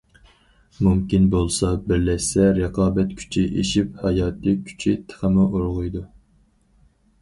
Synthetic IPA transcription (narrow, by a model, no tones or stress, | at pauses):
mumkʲinbolˠsɑbɪɾlɛʃsɛɾəqʰɑːbɛt̪̚kʲʰy̥t͡ʃʰiʔeʃiphɑjɑːt̪ʰɨkʲʰy̥t͡ʃʰit̪ʰə̥χəmɨʔoɾʁʊjd̪u